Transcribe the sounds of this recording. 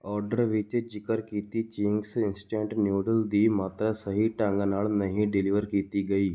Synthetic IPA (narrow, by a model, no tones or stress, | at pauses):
ɔːɾɖəɾʋɪt͡ʃd͡ʒɪkəɾkiːt̪it͡ʃɪŋɡsɪnsʈẽːɳʈnjuːɖəld̪imaːt̪ɾasɐɦiʈãːŋɡanaːɭnɐɦĩɖɪlɪʋəɾkiːt̪iɡɐiː